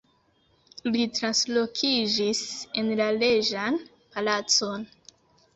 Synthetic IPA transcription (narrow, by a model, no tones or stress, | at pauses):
litɾanslo̞kʰid͡ʒise̞nlale̞d͡ʒan | palat͡so̞n